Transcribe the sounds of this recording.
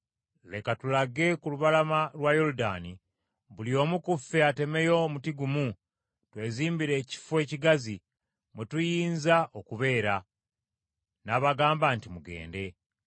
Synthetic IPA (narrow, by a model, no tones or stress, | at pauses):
le̞katulaɡe̞kuluβalamalwajoluda̰ːni | βulio̞ːmukufːeate̞me̞jo̞mutiɡumu | twe̞ːziːmbiɾe̞ːci̥fwe̞ːciɡazi | mwutujiːnzao̞kuβe̞ːɾa | naːβaɡaːmbantimuɡe̞̰ːnde̞